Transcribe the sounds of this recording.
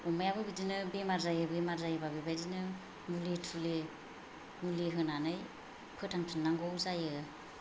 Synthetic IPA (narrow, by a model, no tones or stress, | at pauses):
ɔmajabɯbidinɯbemaɾzajɯbɯjmaɾzajɯbabibajdinɯ | mulitʰule | muliɦɯnanɯj | pʰɯtʰaŋtʰɯnnaŋɡɔwzajɯ